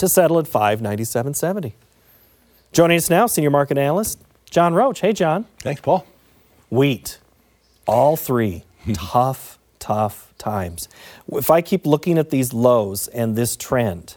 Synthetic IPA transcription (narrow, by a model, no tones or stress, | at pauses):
tʰɨsɛɾl̩ˠətfaɪvnãɪ̃ntisɛṽn̩sɛṽn̩ti | d̥ʒ̥ɔ̃ɪ̃nɪ̃ŋʌsnaʊsĩnjə˞mɑɹkɨɾænl̩ˠəs | d̥ʒ̥ɑ̃nɹoʊt͡ʃheɪd͡ʒɑ̃nθæ̃ŋkspʰɔl | wit | ʔɔlˠθɹi | tʰʌf | tʰʌf | tʰãɪ̃mz̥ɪfaɪkʰiplʊkɪ̃ŋɨt̪̚ðizloʊzɨ̃nðɪstʰɹ̥ɛ̃nt